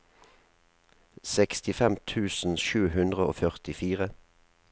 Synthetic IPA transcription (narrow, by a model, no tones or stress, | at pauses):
sɛkst̪ɪfɛmt̪ʰʉːsn̩ʃʉːhʉnd̪ʁəo̰ːfœʁt̪ɪfiːʁə